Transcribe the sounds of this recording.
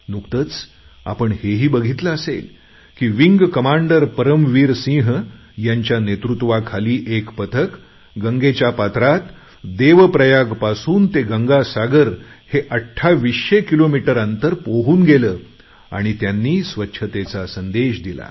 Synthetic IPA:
nukt̪ət͡s | a̰pəɳheɦiːbəɡʱit̪ləːsḛl | kiːʋiŋɡkəmaɳɖəɾpəɾəmʋiːɾsĩɦ | jaɲt͡ɕjanet̪ɾut̪ʋakʰaliːʔekpət̪ʰək | ɡəŋɡet͡ɕjapat̪ɾat̪ | d̪eʋpɾəjaɡpasuːnt̪eɡəŋɡasaɡəɾheʔəʈʰːaʋiɕekilomiʈəɾant̪əɾpoɦuːnɡeləː | a̰ɽ̃it̪janːiːsʋətːɕʰət̪et͡sasənd̪eɕd̪ila̰

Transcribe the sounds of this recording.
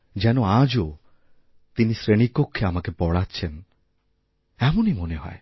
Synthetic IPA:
d͡ʒɛnoad͡ʒo | t̪inisɾeɽ̃ikokʰːeamakepɔɽat͡ʃʰen | ɛmonimoneɦɔ̰e

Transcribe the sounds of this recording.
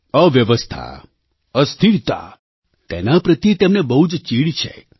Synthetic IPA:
əʋjəʋəst̪ʰa̰ | əst̪ʰiɾt̪a̰ | t̪enapɾət̪it̪emnebəɦud͡ʒt͡ʃiɭit͡ʃʰḛ

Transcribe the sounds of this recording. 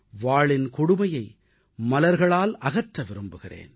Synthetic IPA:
ʋaːɭɪnkʊɽʊmɐjɐɪ | mɐlɐɾɣɐɭaːlɐɣɐʈrɐʋɪɾɯmbɯɣɪrḛːn

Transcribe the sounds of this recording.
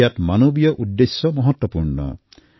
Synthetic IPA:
at̪manobjɔʔud̪ːesjɔmɔɦɔt̪wɔpuɾɳɔ̰

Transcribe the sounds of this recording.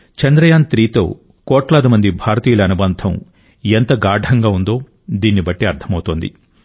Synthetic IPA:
t͡ʃɐnd̪ɾɐjaːnt̪ɾiːt̪o̞̰ː | kɔːʈlaːd̪imɐnd̪ibʱaːɾɐt̪iːjɐlɐɐnubɐnd̪ʱʰɐ̰m | ent̪ɐɡaːɖʱɐŋɡaːund̪o̞ː | d̪iːnːibɐʈːiɐɾt̪ʰɐmɐwt̪oːnd̪ḭ

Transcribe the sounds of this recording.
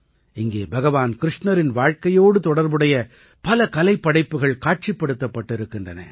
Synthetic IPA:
ɪŋɡeːbɐɣɐʋaːnkɪɾɪʂɳɐɾɪnʋaːɻkɐjoːɽɯt̪ɔɽɐɾbɯɽɐjɐ | pɐlɐkɐlɐɪpːɐɽɐɪpːɯɣɐɭkaːʈ̚t͡ʃipːɐɽɯt̪ːɐpːɐʈːɪɾɯkːɪndrɐnɐ̰

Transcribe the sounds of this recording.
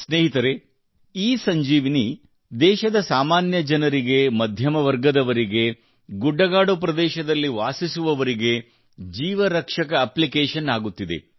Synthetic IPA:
sneːɦit̪ɐɾe̞ | iːsɐɲd͡ʒiːʋini | d̪ɛːʃɐd̪ɐsaːmaːnjɐd͡ʒɐnɐɾiɡe̞mɐd̪ʱjɐmɐʋɐɾɡɐd̪ɐʋɐɾiɡe̞ | ɡuɖːɐɡaːɖupɾɐd̪ɛːʃɐd̪ɐlːiʋaːsisuʋɐʋɐɾiɡe̞ | d͡ʒiːʋɐɾɐkʂɐkɐːplikeːʃɐnaːɡut̪ːid̪e̞̰

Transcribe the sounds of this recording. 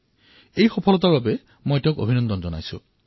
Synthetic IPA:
ejxɔpʰɔlɔt̪̬ababe | mojteʊ̃kobʱinɔnd̪ɔnd͡ʒɔnajsṵ̃

